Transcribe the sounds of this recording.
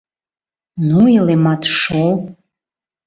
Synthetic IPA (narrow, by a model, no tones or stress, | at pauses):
nuilematʰʂol